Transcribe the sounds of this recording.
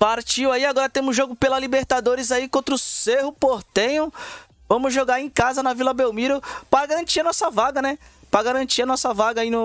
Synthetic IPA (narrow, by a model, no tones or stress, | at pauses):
paɾt͡ʃiwaiaɡɔɾɐt̪ẽmʊzʒoɡʊpelɐlibeɾt̪ad̪oɾɪzaikõnt̪ɾʊseɦʊpoɾt̪ẽjʊ̃ | vɐ̃mʊzʒoɡaɾẽj̃kazɐnɐvilɐbewmiɾʊpɾaɡaɾɐ̃nt͡ʃiɐnɔsɐvaɡɐnɛ | pɾɐɡaɾɐ̃t͡ʃiɐnɔsɐvaɡɐinʊ